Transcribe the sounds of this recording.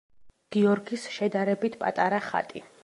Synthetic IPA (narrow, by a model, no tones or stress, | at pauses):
ɡ̥iɔɾɡisʃɛd̪aɾɛbit̪ʰpʼa̰t̪ʼaɾaχa̰t̪ʼi